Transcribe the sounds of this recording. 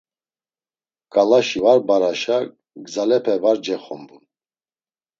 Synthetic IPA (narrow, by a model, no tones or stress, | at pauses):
kʼalaʃivaɾbaɾaʃa | ɡzalɛpʰɛvaɾd͡ʒɛχɔmbun